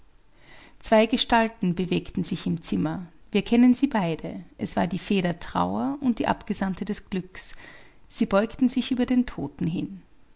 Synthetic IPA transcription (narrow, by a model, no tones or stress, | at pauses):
t͡sv̥aɪɡəʃtaltn̩bəveːktn̩zɪçɪmt͡sɪmɐviːɐkʰɛnənziːbaɪdəʔɛsv̥a̰ːɐdiːfeːɾɐtʁ̥a̰ʊɐʔʊnt̚d̥iːʔa̰pɡ̥əzantədɛsɡ̥lʏks | z̥iːbɔʏktn̩zɪçʔyːbɐdeːntʰoːtn̩ɦɪ̰n